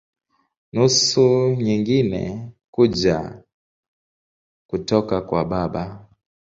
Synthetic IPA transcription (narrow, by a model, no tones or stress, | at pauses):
nusuɲiŋɡinɛ̰kud͡ʒa̰ | kutɔkakwaɓaɓa